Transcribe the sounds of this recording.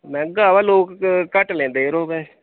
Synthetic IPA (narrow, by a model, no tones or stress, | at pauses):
mɛ̃ːɡaːʋaloːkkəʈlẽːnd̪eːɾoːbɛ̃ː